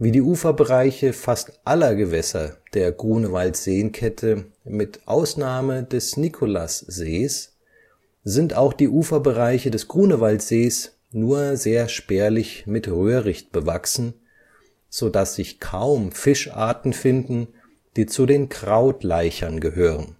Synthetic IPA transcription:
viːdiːʔuːfɐbəʁaɪçəfastʔalɐɡəvɛsɐ̰d̥eːɐɡʁuːnəvaltz̥eːənkʰɛtʰə | mɪtʔaʊsnaːmədɛsnikʰolasz̥eːs | z̥ɪntaʊxd̥iːʔuːfɐbəʁaɪçədɛsɡ̥ʁuːnəvaltz̥eːs | nuːɐzeːɐʃpeːɐlɪçmɪtʁøːʁɪçt̚b̥əvaksn̩ | z̥odasz̥ɪçkʰaʊmfɪʃʔa̰ːɐtn̩fɪndn̩ | d̥iːt͡sudeːnkʁ̥aʊtlaɪçɐnɡəɦøːʁən

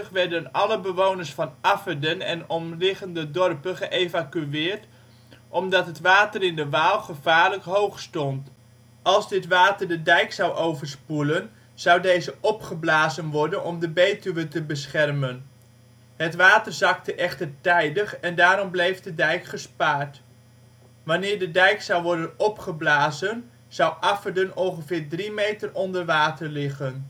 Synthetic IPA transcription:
əχʋɛrdənɑləbəʋownəɹsfɑnafədənɛ̰nɔmlɪχəndədɔrpəχəʔejvakyɪːrt | ʔɔmdɑtɦətʋaːtərɪndəʋaːlˠχəvaːɹləkɦowχstɔnt | ɑlˠzdɪtʋaːtərdədɛjksawʔowvərspulən | z̥ʌwdejzəʔɔpχəblaːzənʋɔɹdənɔmdəbejtyʋətəbəsχɛrmən | ɦətʋaːtərzɑktəʔɛχtərtɛjdəχɛndaːɾɔmblejfdədɛjkχəspaːɹt | ʋanɪːɹdədɛjksɑwʋɔɹdənɔpχəblaːzən | z̥ʌwʔɑfərdənɔlˠχəvɪːɹdrimejtərɔndərʋaːtərlɪχən

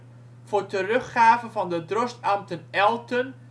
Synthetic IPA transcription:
v̥ʊːɹtərɵχːaːvənvɑndədrɔstamtənɛlˠtən

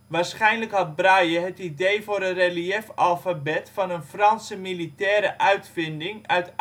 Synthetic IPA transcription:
ʋaːrsχɛjnləkhɑt̚brajəɦətidejvʊːɾənreliɛfɑlˠfabɛtfɑnənfrɑnsəmilitɛːɾəʔœɥtfɪndɪŋœɥt

